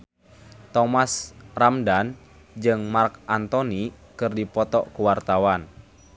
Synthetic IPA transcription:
t̪ɔmasramdan | d͡ʒɨŋmarkʔant̪ɔnikɨrdipɔt̪ɔʔkuwart̪awan

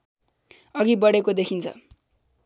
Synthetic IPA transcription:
ʌɡibʌɽekod̪ekʰint͡sʰʌ̰

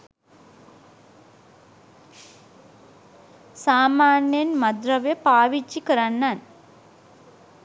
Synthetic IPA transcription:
saːmaːnjenmɐd̪rɐʋepaːʋit͡ʃːikəɾanːan

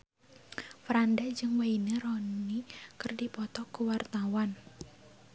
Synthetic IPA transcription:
fɾandad͡ʒɨŋwainəɾɔnikɨrdipɔt̪ɔkuwart̪awan

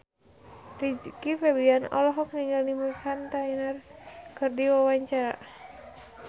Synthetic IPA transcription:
rid͡ʒkifɛbianɔ̰lɔɦɔk̚niŋɡalnimufant̪ainarkɨrdiwawaɲt͡ʃaɾa

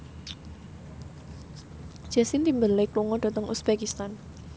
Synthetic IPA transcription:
ʒ̥a̤sint̪imbəlekluŋɔd̥a̤t̪əŋusb̥ɛkist̪an

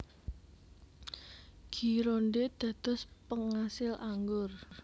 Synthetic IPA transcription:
ɡ̥i̤ɾoɳɖed̪̥ä̤d̪̥ɔ̤spəŋasɪlʔaŋɡʊr

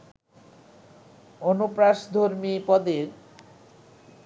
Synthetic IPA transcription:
onupɾaʃd̪ʱoɾmipɔd̪eɾ

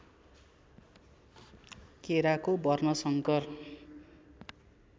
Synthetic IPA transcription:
keɾakobʌrnʌsʌŋkʌr

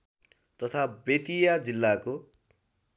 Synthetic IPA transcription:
t̪ʌt̪ʰabet̪ijad͡zilːako

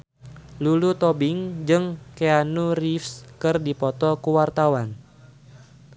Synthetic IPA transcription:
lulut̪ɔbɪŋd͡ʒɨŋkeanurifskɨrdipɔt̪ɔkuwart̪awan

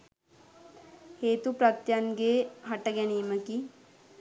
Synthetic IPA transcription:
heːt̪upɾɐt̪janɡeːɦaʈəɡɛniːməki

